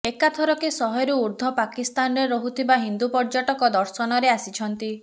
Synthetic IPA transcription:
ekat̪ʰɔɾɔkesɔɦɔjɾuːɾd̪ʱɔpakist̪anɔɾeɾɔɦut̪ʰibaɦind̪upɔɾd͡ʒaʈɔkɔd̪ɔɾsɔnɔɾeasit͡ʃʰɔnt̪i

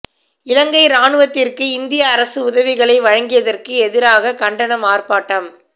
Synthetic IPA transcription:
ɪlɐŋɡɐɪɾaːɳɯʋɐt̪ːɪrkɯɪnd̪ɪjɐːɾɐsɯʊðɐʋɪɣɐɭɐɪʋɐɻɐŋɡɪjɐðɐrkɯɛðɪɾaːɣɐkɐɳɖɐnɐmaːrpaːʈːɐm

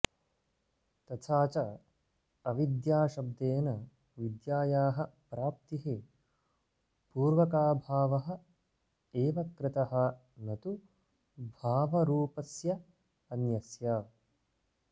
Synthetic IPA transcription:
t̪ɐt̪ʰaːt͡ʃɐ | ɐʋid̪jaːʃɐb̚d̪eːnɐ | ʋid̪jaːjaːɦɐpɾaːp̚t̪iɦi | puːɾʋɐkaːbʱaːʋɐɦɐ̆ | eːʋɐkɾɪt̪ɐɦɐ | nɐt̪u | bʱaːʋɐɾuːpɐsjɐ | ɐnjɐsjaː

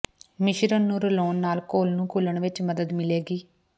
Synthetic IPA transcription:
mɪʃɾənːũːɾəloːnːaːlkoːlnũːkuləɳʋɪt͡ʃməd̪əd̪mɪleːɡiː

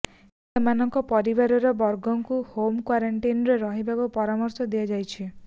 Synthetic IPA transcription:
semanɔŋkɔpɔɾibaɾɔɾɔbɔɾɡɔŋkuhomkwaɾaɳʈinɔɾeɾɔɦibakupɔɾamɔɾsɔd̪iad͡ʒajt͡ʃʰi

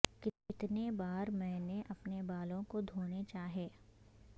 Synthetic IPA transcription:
kɪɪt̪nebaːɾmɛ̃ːneʔɐpnebaːlõkod̪ʱoːnet͡ʃaːɦeː

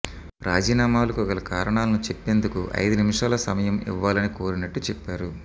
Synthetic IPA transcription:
ɾaːd͡ʒiːnaːmaːlɐkuɔkɐlɐkaːɾɐɳaːlɐnut͡ʃepːe̞ːnd̪ukuʔɐ̰jd̪unimʂaːlɐsɐmɐjɐmḭʋːaːlɐnikoːɾinɐʈːut͡ʃɛpːaːɾu

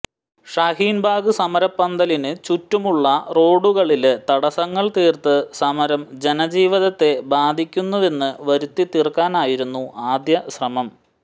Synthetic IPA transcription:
ʂaɦiːnbʱaːɡɨsɐmɐɾɐpːɐnd̪ɐlinɨt͡ɕutːumuɭːɐro̞ːɽuɣɐɭilet̪ɐɽɐsɐŋːɐɭt̪iːrt̪ɨsɐmɐɾɐmd͡ʑe̞nɐd͡ʑiːʋiðɐt̪ːe̞baːd̪ʱikʲːunːɐðe̞nːɨʋɐɾut̪ːit̪irkːaːnaːjiɾunːuaːd̪jɐɕrɐmɐm

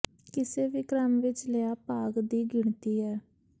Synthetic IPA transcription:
kɪseːʋiːkɾamʋɪt͡ʃleaːpaːɡd̪iːɡɪɳ̃t̪iːɦɛː

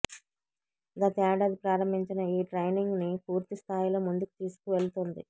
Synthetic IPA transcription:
ɡɐt̪ɐaːɖɐd̪ipɾaːɾɐmbʱiɲt͡ʃinɐiːʈɾejniŋɡnipuːɾt̪ist̪ʰaːjlo̞ːmund̪uku̥t̪iːsu̥kuʋe̞ɭut̪ond̪i

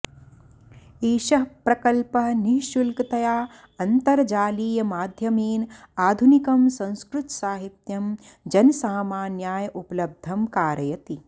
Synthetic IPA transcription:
iːʃɐɦpɾɐkɐlpɐɦniɦʃulkɐt̪ɐjaː | ɐnt̪ɐɾɐd͡ʒaːliːjɐmaːd̪ʱjɐmiːn | aːd̪ʱunikɐmsɐ̃ñskɾut̪saːɦit̪jɐm | d͡ʒɐnsaːmaːnjaːjɐʔupɐlɐb̚d̪ʱɐmkaːɾɐjɐt̪i

